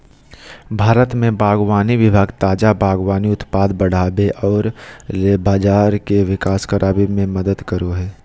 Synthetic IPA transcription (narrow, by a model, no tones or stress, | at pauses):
bʱaːɾət̪mẽbaːɡwaːniʋɪbʱaːɡt̪aːd͡ʒabaːɡwaːniʊt̪paːd̪bəɽ̤aːbeʔɔːɾleːbaːd͡ʒaːɾkeʋɪkaːskəɾʔaːbimẽmɐd̪əd̪kəɾoɦɛː